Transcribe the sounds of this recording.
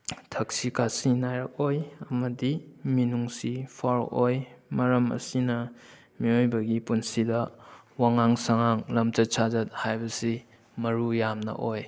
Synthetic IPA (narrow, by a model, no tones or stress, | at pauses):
tʰɐksikasinajɾɐk̚ojɐmɐdiminuŋsipʰaɾojmɐɾɐmɐ̰sinɐ | miojbɐɡipunsidɐ | waŋaŋsɐŋaŋlɐmtɐsʰazɐt̚hajbɐsi | mɐɾujamnɐ̰ʔoj